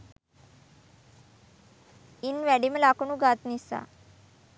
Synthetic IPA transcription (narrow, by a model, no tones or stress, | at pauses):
inʋæɽimlakɳuɡat̪nisa̰